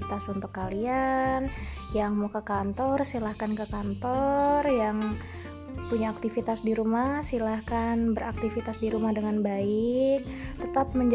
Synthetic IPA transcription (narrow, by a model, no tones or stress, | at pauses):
t̪asunt̪ʊkːalian | jaŋmokəkant̪ɔrsilahkankəkant̪ɔrjaŋ | puɲaːk̚t̪ifit̪asdiɾumahsilahkanbəɾak̚t̪ifit̪asdiɾumahdəŋanbaɪk̚t̪ət̪ap̚məɲd͡ʒ